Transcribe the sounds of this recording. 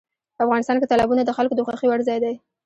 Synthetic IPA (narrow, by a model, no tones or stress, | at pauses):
pəafɣɑnɪst̪ɑnket̪ɑlɑbunad̪əxalkod̪əxɑxiwaɽzɑjd̪aj